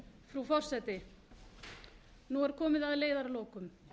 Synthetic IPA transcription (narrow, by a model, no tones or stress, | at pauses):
fɾufɔr̥sɛt̪ɪ | nuɛɾ̥kʰɔːmɪðaðleːjðaɾloːkʏm